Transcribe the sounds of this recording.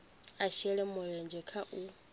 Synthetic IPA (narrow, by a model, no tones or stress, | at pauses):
aʃɛɺɛmɔɺɛnd͡ʒɛkʰaʔu